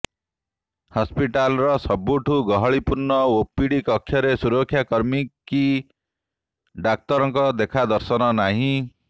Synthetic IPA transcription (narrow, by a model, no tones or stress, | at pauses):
hɔspiʈalɾɔsɔbuʈʰuɡɔɦɔɭipuɾnɔopiɽikɔkʰːjɔɾesuɾɔkʰːjakɔɾmiki | ɖak̚t̪ɔɾɔŋkɔd̪ekʰad̪ɔɾsɔnɔnaɦĩ